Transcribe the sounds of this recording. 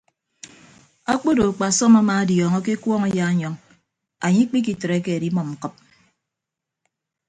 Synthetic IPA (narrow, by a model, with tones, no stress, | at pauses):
a˦k͡po˦do˨k͡pa˨sɔ˦ma˦maː˨a˦djɔː˨ŋɔ˦ke˦kwɔː˦ŋa˦ja˦ɲɔ˦ŋ | a˨ɲi˦k͡pi˦k̬i˨tɾe˨˦ke˦a˨ɾi˦mɔ˨m̩˨kɨ˦p̚